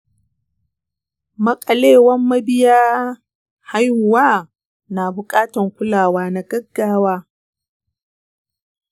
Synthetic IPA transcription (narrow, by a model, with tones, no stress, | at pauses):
mɐ˦kʼɐ˨leː˦˨wɐ˦mːɐ˦bɪ˦jaː˦ | ha˦jhʊ˨waː˦ | na˨bʊ˨kʼaː˦tɐ˨ŋkʷʊ˦laː˨waː˦na˨ɡɐ˦ɡːaː˦waː˦